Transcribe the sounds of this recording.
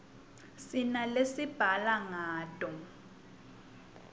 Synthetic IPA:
sinalesib̥ʱalaŋaːtʼɔ

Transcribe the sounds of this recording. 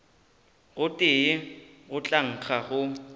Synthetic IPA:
ɣʊtʼɪɪɣʊt͡ɬʼaŋ̩k͡xʰaɣʊ

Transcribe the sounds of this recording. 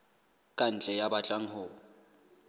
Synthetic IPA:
kʼan̩t͡ɬʼɛjabat͡ɬʼaŋ̩ɦʊ

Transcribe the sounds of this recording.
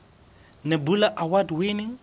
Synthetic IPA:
nebulaʔawadwenɪŋ̩

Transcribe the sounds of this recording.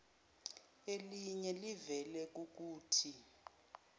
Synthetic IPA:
eliɲɛlivɛlɛk̬uk̬uːtʰi

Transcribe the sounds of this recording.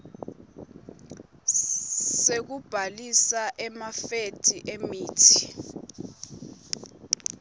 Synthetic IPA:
sek̬ub̥ʱalisaʔɛmafetʰʼiʔemiːtʰi̥

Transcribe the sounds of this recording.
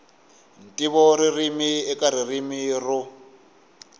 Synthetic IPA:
n̩tʼiβɔririmiɛkʼaɾirimirʊ

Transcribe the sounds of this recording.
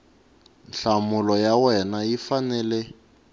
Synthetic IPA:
nɬamulɔjawɛnajifanɛːlɛ

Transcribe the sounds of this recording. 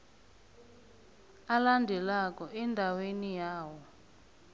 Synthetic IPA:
alandʱɛlakɔɛndʱawenijaːwɔ

